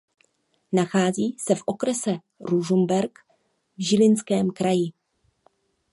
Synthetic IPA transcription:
naxaːziːsɛfʔo̞kɾɛsɛ | ɾuʒumbɛɾk | vʒɪlɪnskɛːmkɾajɪ

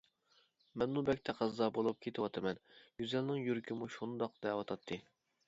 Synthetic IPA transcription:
mɛnmubɛk̚ʲt̪ʰɛqʰɑzːɑbolˠup̚kʲʰet̪ʰɪwɑt̪ʰɨmɛnjyzɛlnɪŋjyɾkʲʰimuʃund̪ɑqd̪̥ɛwɑt̪ʰɑt̪ʰːɨ

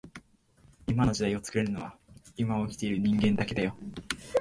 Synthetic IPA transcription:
imano̞ʑid̪aio̞t͡sɨ̥kɯ̟ɾe̞ɾɯ̟no̞βaimao̞kʲi̥t̪e̞iɾɯ̟ɲ̟ĩŋɡẽ̞nd̪ake̞d̪ajo̞

